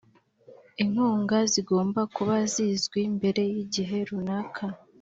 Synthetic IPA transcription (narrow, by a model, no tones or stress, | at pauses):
iŋ̥huːŋɡaziɡo̞ːmbakuβazizɡwimbe̞ɾe̞jiɟiɦe̞ɾunakʰa